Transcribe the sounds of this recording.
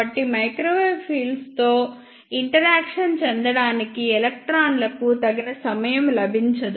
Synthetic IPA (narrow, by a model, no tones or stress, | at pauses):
ɐʈːimɐjkɾoːʋɐːbpʰiːlst̪oː | iɳʈɐɾaːkʂɐnt͡ʃɛnd̪ɐɽaːnikiɛlɐk̚ʈɾaːnlɐkut̪ɐɡinɐsɐmɐjɐmlɐbʱiɲt͡ʃɐd̪u